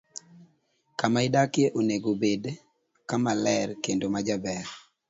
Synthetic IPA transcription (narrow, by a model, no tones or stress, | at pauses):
kamaɪdakjeʔoneɡobed | kamalɛrkendomad͡ʒabɛr